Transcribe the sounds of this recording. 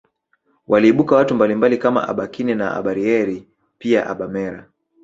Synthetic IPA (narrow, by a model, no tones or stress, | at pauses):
wʔaliːɓukawatumbalimbalikama̰ʔa̰ɓakinɛnaʔa̰ɓaɾiɛɾi | pia̰ʔaɓamɛɾa̰